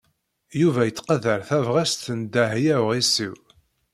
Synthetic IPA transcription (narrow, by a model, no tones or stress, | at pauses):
juvæjət͡sːqəðəɾθævʁæst̪ənd̪æhjæwʁisiw